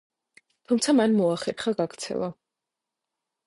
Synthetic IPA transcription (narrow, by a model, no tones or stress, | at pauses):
t̪ʰumt̪sʰamanmɔaχɛtχaɡaɡɾt̪sʰɛ̰lˠa